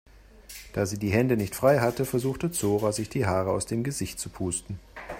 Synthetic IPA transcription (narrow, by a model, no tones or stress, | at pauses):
d̥aːziːdiːɦɛndənɪçtfʁ̥aɪɦatəfɛɐzuːxtət͡soːʁazɪçd̥iːɦaːʁəa̰ʊsd̥eːmɡəzɪçtt͡supʰuːstn̩